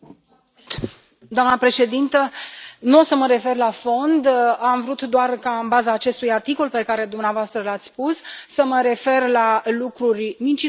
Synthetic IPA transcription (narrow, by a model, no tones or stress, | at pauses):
d̪oamnəpɾe̞ʃe̞d̪int̪ənuosəməɾe̞fe̞rlafo̞nd̪amvɾut̪d̪oarkaɨnbazaːt͡ʃe̞st̪ujart̪iko̞lpe̞kaɾe̞d̪umneavoast̪ɾəlat̪sʲspusːəməɾe̞fe̞rlalukɾurʲmint͡ʃi